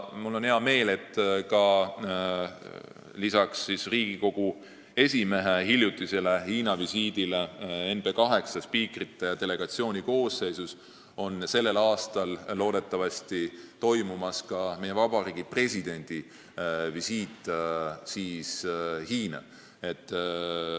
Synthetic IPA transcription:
mulːo̞nheɑme̞ːle̞t̪ːˑkɑ | lisɑksːisriːɡ̥iko̞ɡ̥u | e̞sʲime̞ɦeɦiljut̪ːˑise̞le̞hiːnɑvisiːd̪ile̞e̞npe̞kɑɦe̞ksɑspiːkrit̪ːˑejɑt̪e̞le̞ɡ̥ɑt̪sio̞ːnʲiko̞ːsse̞jsus | o̞nse̞lːe̞lɑːst̪ɑllːo̞ːd̪e̞t̪ːˑɑvɑsʲt̪it̪o̞jmumɑskɑme̞je̞vɑbɑɾiːɡ̥ipre̞sʲid̪̥e̞nʲd̪̥i | visiːt̪ːˑsiːshiːnɑ̰ | e̞t̪ː

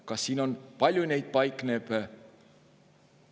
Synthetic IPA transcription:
kɑsːiːno̞npɑlʲjunejd̪̥̚pɑjkneb

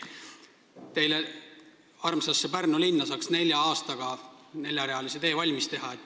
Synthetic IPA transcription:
t̪e̞jle | ɑrmsɑsːepærnulinːɑsɑːksne̞lʲjɑɑːst̪ɑɡ̥ɑne̞lʲjɑɾeɑlise̞t̪e̞ːvɑlʲmist̪e̞ɦɑet̪ːˑ

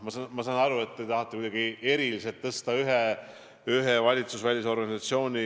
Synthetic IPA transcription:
mɑsɑmɑsɑnɑɾue̞t̪ːejt̪ɑhɑt̪ːˑukujd̪ɑɡie̞ɾiliset̪ːɤst̪ɑyɦe | yɦevɑlʲit̪susvælʲis̬o̞rɡ̥ɑnʲisɑt̪sio̞ːnʲi

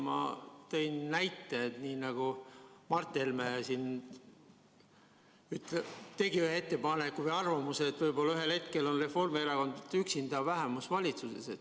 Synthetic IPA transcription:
mɑ̰t̪e̞jnnæjt̪ːˑeet̪niːnɑɡ̥umɑrt̪ːˑelmæsin | yt̪ːlet̪e̞ɡiyhee̞t̪ːe̞pɑne̞kːuvəjɑrvɑmuseːt̪ːvɤjbo̞lːɑyɦe̞lhe̞t̪ke̞lo̞nre̞fo̞rmeeɾɑko̞nd̪yksind̪̥ɑvæɦemusvɑlʲit̪suse̞̰se̞t̪ː

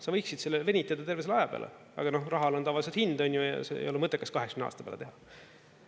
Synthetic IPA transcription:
sɑvɤjksid̪selːeve̞nʲit̪ːˑeɑd̪ɑt̪e̞rves̬elɑjɑpḛlḛ | ɑ̰ɡ̥ɑno̞hrɑɦɑlot̪ɑvɑlʲis̬ehind̪o̞nʲːjujɑ̰sḛḛjo̞lemɤt̪ːˑekːɑskɑɦeksmneɑ̰ːst̪ɑ̥b̥ḛlḛt̪eɑ

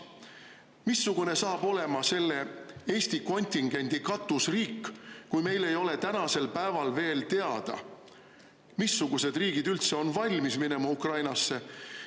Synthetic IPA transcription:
misːuɡ̥une̞sɑːb̥o̞le̞mɑse̞lːe̞e̞ːsʲt̪iko̞nʲt̪ʲiŋɡ̥e̞nʲd̪̥ikɑt̪ːˑusriːkːkujme̞jle̞jo̞le̞t̪ænɑse̞lpæevɑlve̞ːlt̪e̞ɑd̪̥ɑ̰ | misːuɡ̥use̞d̪riːɡ̥id̪ylt̪se̞o̞nvɑlʲmismine̞mɑukrɑjnɑsːe̞

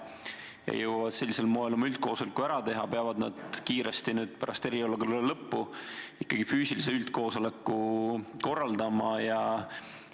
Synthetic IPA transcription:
jɑ̰jɤwvɑd̪̥se̞lʲːise̞lmoːelomylt̪̚koːsolekːuæɾɑt̪e̞ɦɑpeɑvɑd̪̥nɑ̰d̪̥kiːɾest̪inyːd̪̥pæɾɑst̪e̞ɾiolːɑkollelɤpːuikːˑɑɡ̥ifyːsilise̞ylt̪̚ko̞ːso̞lekːˑuko̞rːɑld̪ɑmɑjɑ

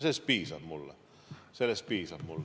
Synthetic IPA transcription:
sespiːsɑhmulːɑ̰ | selespiːsɑhmulː

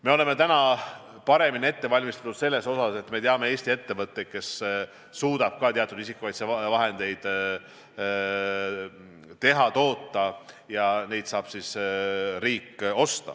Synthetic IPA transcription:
me̞o̞leme̞t̪ænɑ | pɑɾe̞minie̞t̪ːe̞vɑlʲmist̪ɑ̥t̪ːud̪̥se̞lːe̞so̞sɑse̞t̪me̞t̪eɑme̞e̞ːsʲt̪ie̞t̪ːe̞vɤt̪ːe̞jt̪̚ke̞sː | uːd̪̥ɑb̥̚kɑt̪eɑt̪ːˑud̪isikːˑuvɑjt̪sevɑɦe̞nd̪̥e̞jd̪̥ | t̪e̞ɦɑt̪o̞ːt̪ːɑ | jɑne̞jt̪sɑːb̥sisɾiːkːˑo̞st̪ɑ̰

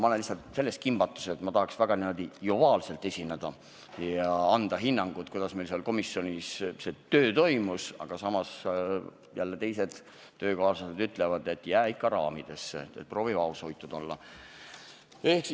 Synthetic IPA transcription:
mɑolenlisːɑt̪se̞lːe̞skimb̥ɑt̪ːˑu̥set̪mɑt̪ɑhɑksvæɡ̥ɑniːmːɑd̪ijovɑːlse̞lt̪ːˑe̞sʲined̪̥ɑ | jɑɑnd̪̥ɑɦinːɑŋɡ̥ut̪kujd̪̥ɑsmejlseɑlko̞misːjo̞nisse̞t̪ø̞ːt̪o̞jmusɑ̰ɡ̥ɑsɑmɑs | jælːet̪e̞jse̞d̪̥ː | ø̞ːkɑːsɑsed̪yt̪ːˑlevɑd̪̥e̞t̪ːˑjæːikːɑɾɑːmid̪̥e̞sːeet̪̚pro̞ːvivɑushojt̪ːˑud̪o̞̰lːɑ̰ | ehksi

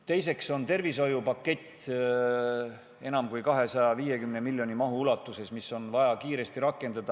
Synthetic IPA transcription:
t̪e̞jse̞kso̞nt̪e̞rviso̞jupɑkːe̞t̪ː | e̞nɑmkujkɑɦe̞sɑjɑviːje̞kymnemilʲːjo̞nʲimɑɦuulɑt̪ːˑuse̞smiso̞nvɑjɑkiːɾe̞st̪iɾɑkːˑe̞nd̪̥ɑd̪̥ɑ

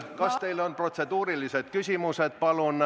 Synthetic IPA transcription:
kɑst̪e̞jlo̞npro̞t̪se̞d̪̥uːɾilise̞d̪̥kysʲimuse̞d̪̥̚pɑlun

